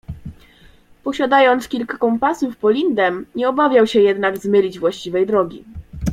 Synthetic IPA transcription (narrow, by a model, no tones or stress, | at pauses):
pɔɕad̪ajɔnt̪skʲilkakɔ̃mpasufpɔlʲind̪ɛmɲɛɔbavʲjawɕɛjɛd̪naɡzmɘlʲid͡ʑvwaɕt͡ɕivɛjd̪ɾɔɡʲḭ